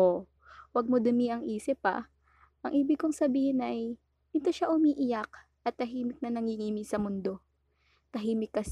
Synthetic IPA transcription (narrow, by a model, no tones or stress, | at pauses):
o | wɐɡ̚mod̪ʊmɪʔɐŋʔiːsɪpːɐ̰ | ʔɐŋʔiːbɪkoŋsɐbiːhɪnʔɐj | ɪt̪oʃaʔʊmiːʔɪjak̚ | ʔɐt̪ːɐɦiːmɪk̚nɐnɐŋhiŋiːmɪsɐmʊnd̪o̞ | t̪ɐɦiːmɪkːɐs